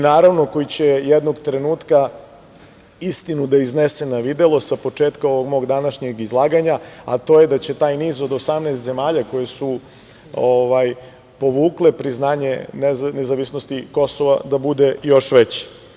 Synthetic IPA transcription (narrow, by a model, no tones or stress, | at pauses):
inaːɾaʋno̞ko̞jit͡ɕejed̪noɡt̪ɾe̞nuːt̪ka | ist̪inud̪aiznesenaʋid̪e̞lo̞sapo̞t͡ʂeːt̪kao̞ʋoɡmo̞ːɡd̪anaʃɲeɡizlˠaːɡaɲaa̰t̪o̞jed̪at͡ɕe̞t̪aːjniːzod̪o̞samnest̪ze̞maːʎako̞jesu | oʋaj | po̞ʋuːklepɾiznaːɲenenezaʋisno̞st̪iko̞so̞ʋa̰d̪abud̪e̞jo̞ʃʋet͡ɕe̥